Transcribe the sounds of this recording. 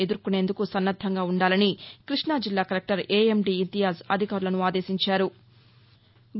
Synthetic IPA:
ed̪uɾkune̞ːnd̪ukusɐnːɐd̪ʱːɐŋɡaːuɳɖaːlɐnikɾiʂɳaːd͡ʒilːaːkɐɾɐk̚ʈɐɾeːemɖiːnt̪ijaːsɐd̪ʱikaːɾulɐnuaːd̪e̞ːsiɲt͡ʃaːɾu | ɡ

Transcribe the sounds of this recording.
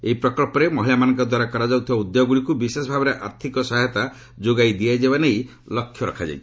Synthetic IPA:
ḛipɾɔkɔlpɔɾemɔɦilamanɔ̃ŋkɔd̪waɾakɔɾad͡ʒɔɡut̪ʰibaud̪joɡɔɡuɽikubisesɔbʱabɔɾeʔaɾt̪ʰikɔsaɦjɔt̪a | d͡ʒoɡajd̪iajd͡ʒebanej | lɔkʰːjɔɾɔkʰad͡ʒa̰j̪

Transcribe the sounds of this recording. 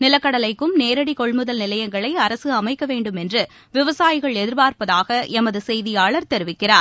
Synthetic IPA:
nɪlɐkːɐɽɐlɐɪkːɯmneːɾɐɽikɔɭmɯðɐlnɪlɐjɐŋɡɐɭɐɪɐɾɐsɯɐmɐɪkːɐʋeːɳɖɯmɛndrɯ | ʋɪʋɐsaːjɪɣɐɭɛðɪɾbaːɾpɐðaːɣɐʔɛmɐðɯsɛjðɪjaːɭɐɾt̪ɛɾɯʋɪkːɪraːɾ

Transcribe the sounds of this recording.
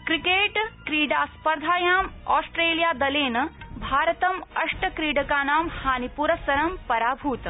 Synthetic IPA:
kɾikeːʈkɾiːɖaːspɐɾd̪ʱaːjaːmɔːsʈɾeːlijaːd̪ɐleːnɐbʱaːɾɐt̪ɐmɐʂʈɐkɾiːɖɐkaːnaːmhaːnipuːɾɐsɐɾɐmpɐɾaːbʱuːt̪

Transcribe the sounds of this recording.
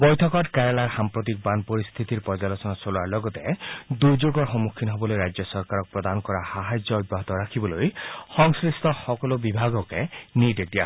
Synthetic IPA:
bɔjt̪ʰɔkɔʈkaɾelaɾxampɾɔt̪̬ik̚banpɔɾist̪ʰit̪iɾpɔd͡ʒalɔsɔnasolaɾlɔɡɔt̪ed̪uɾd͡ʒoɡɔɾxɔmukʰːinɔɦɔbɔlojɾajd͡ʒjɔsɔɾkaɾɔk̚pɾɔd̪anɔkɔɾahaɦad͡ʒjɔɔd̪̚baɦɔt̪ɔɾakʰibɔlojxɔŋsɾist̪ʰɔxɔkɔlobibʱaɡɔkenid̪ek̚d̪ia̰

